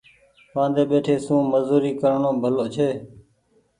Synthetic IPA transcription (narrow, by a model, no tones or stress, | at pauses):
ʋãːnd̪eːɓeːʈʰeːsũːməzuːɾiːkəɾɳõːbʱəloːt͡ʃʰeː